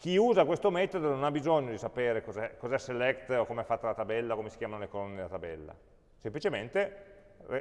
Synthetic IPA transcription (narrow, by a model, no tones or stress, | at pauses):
k̟iuːzakwest̪omɛt̪od̪ononabːizoɲːod̪isapeːɾekozɛkozɛsːelɛkt̪okomeɛfːat̪ːalat̪abɛlːakomesi̥kjaːmanolekolonːed̪elat̪abɛ̰lːa̰ | semplit͡ʃement̪e | re